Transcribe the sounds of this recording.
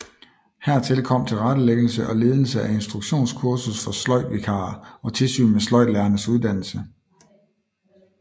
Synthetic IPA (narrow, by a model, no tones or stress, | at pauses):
hæɐ̰t͡sʰe̝lkʰɒ̽m̰t͡sʰe̝lʁɑdəleɡ̥əl̩səʔɒ̽le̝ːð̞ˠəl̩səʔæe̝nsd̥ʁuɡ̥ɕo̝̰ːnskʰuɐsusfɒ̽slɒ̽ɪ̰ʋikʰɑ̰̈ːɒ̽t͡sʰe̝lsy̰ːnmeslɒɪ̰dlæɐnəsuð̞ˠd̥æn̰l̩sə